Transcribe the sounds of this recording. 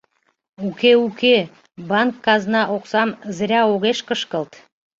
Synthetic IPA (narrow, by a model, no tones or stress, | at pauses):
ʉkʲeʉkʲe | baŋkːazənɑʔoqsɑmzɾʲɑoʁeʃkəʃkəlˠt̪